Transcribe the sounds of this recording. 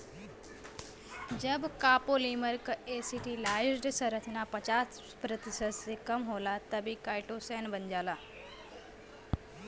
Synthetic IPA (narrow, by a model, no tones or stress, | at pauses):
d͡ʒəbkaːpoliːməɾkesiʈilaːsɖsəɾət̪ʰinapɐt͡ʃaːs | pɾɐt̪isət̪sekəmɦoːlat̪əbʱikaːjʈosɛnbənd͡ʒaːlaː